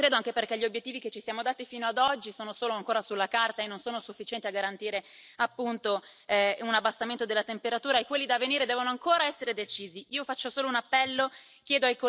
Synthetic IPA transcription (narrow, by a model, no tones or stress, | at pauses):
kɾeːd̪oaŋk̟eperkɛʎːiobjet̪ːiːviket͡ʃːisjaːmod̪aːt̪ifiːnoad̪ɔd͡ʒːisoːnosoːloaŋkoːɾasulːakart̪aenːonsoːnosufːit͡ʃɛnt̪iaɡːaɾant̪iːɾeapːunt̪ounabːast̪ament̪od̪elːat̪empeɾat̪uːɾaekwelːid̪avːeniːɾed̪ɛːvonoaŋkoːɾaɛsːeɾed̪et͡ʃiːziiːofat͡ʃːosoːlounapːɛlːo | kjɛːd̪oajko